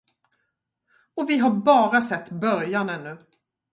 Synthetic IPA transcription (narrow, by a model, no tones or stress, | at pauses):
ɔvɪɦaɾbɑːɾasɛt̪ːbœɾjanɛnːɵ